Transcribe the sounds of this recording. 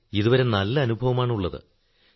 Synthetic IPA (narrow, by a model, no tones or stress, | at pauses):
iðuʋɐɾe̞nɐlːɐːnubʱɐʋɐmaːɳuɭːɐðɨ̰